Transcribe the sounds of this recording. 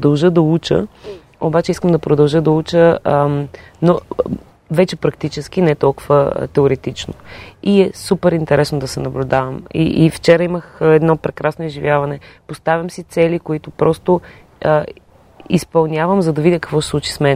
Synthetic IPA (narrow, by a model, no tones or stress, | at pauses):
pɾd̪ɐlˠʒəd̪ɐut͡ʃə̰ | obat͡ʃɛiskəmd̪ɐpɾʊd̪ɐlˠʒəd̪ɐut͡ʃə | no | vɛt͡ʃɛpɾɐkt̪it͡ʃɛsk̟inɛɛt̪ɔlˠkʊvə̰t̪ɛʊɾɛt̪it͡ʃno̰iɛsupɛɾint̪ɛɾɛsnod̪ɐsɛnɐblʲʊd̪avɐmḭʔift͡ʃɛɾɐiməxɛd̪nɔpɾɛkɾasnoizʒivʲjavɐnɛpost̪avʲəmsit̪sɛlikoit̪ʊpɾɔst̪ʊ | ispɐlˠnʲjavəmzɐd̪ɐvidʲəkə̥kvɔsslˠut͡ʃi̥smɛn